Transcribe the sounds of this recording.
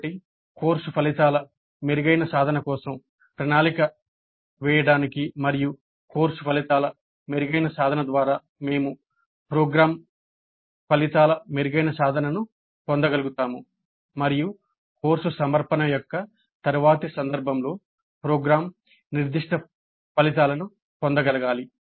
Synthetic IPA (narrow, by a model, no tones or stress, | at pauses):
ʈi | koːɾsupʰɐlit̪aːlɐ | meɾiɡɐjnɐsaːd̪ʱɐnɐkɔːsɐm | pɾɐnaːlikɐ | ʋɛːjɐɽaːnikimɐɾiju | ko̞ːɾsupʰɐlit̪aːlɐ | meɾuɡɐjnɐsaːd̪ʱɐnɐd̪ʋaːɾaː | me̞ːmu | pɾoːɡɾaːm | pɐlit̪aːlɐmeɾiɡɐjnɐsaːd̪ʱɐnɐnu | pond̪ɐɡɐluɡut̪aːmu | mɐɾiju | ko̞ːɾsusɐmɐɾpɐnɐjɔkːɐ | t̪ɐɾuʋaːt̪isɐnd̪ɐɾbʱɐmlo̞ː | pɾoːɡɾaːm | niɾd̪iʂʈɐ | pɐlit̪̬aːlɐnu | pond̪ɐɡɐlɐɡaːli